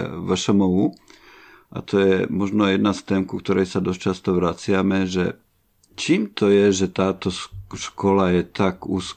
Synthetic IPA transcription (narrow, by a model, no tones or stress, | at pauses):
ʋəʃɔmɔu | ʔa̰t̪ʰɔjɛmɔʒnɔjɛd̪nast̪ɛːmkukt̪ɔɾɛjsad̪ɔst͡ʃast̪ɔʋɾat͡sɪamɛʒɛ | t͡ʃiːmt̪ɔjɛʒɛt̪aːt̪ɔʃkɔlajɛt̪aɡuːs